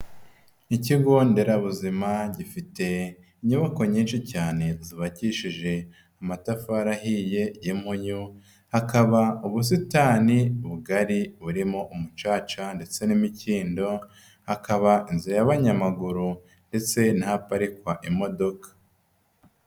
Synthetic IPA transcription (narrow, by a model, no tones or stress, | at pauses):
iciɡo̞nde̞ɾaβuzimaɟifite̞ | iɲuβako̞ɲiːnʃicaːne̞ziβaciʃiʒe̞ | amatafaɾaɦije̞jemhuɲu | hakaβauβus̬itaːniβuɡaɾiβuɾimo̞ʔumut͡ʃaːt͡ʃande̞t͡se̞nimiciːndo̞ | hakaβainziɾajaβaɲamaɡuɾu | nde̞t͡se̞napaɾikwaʔimo̞do̞kḁ